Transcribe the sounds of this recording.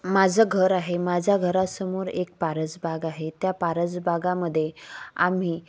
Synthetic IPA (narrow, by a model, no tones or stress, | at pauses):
mad͡zəɡʱəɾaɦemad͡zʱaɡʱəɾasəmuːɾḛk̚paɾəd͡zbaɡaɦet̪japaɾəd͡zbaɡaməd̪ʱːjea̰m̤iː